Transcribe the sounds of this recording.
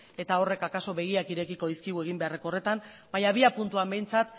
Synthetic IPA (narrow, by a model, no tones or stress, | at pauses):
e̞t̪ao̞re̞kakaso̞βe̞ɣ̞iakiɾe̞kiko̞ðiskiɣue̞ɣimbe̞are̞ko̞ret̪am | baɲaβ̞iapunt̪uambe̞jnt͡sat̪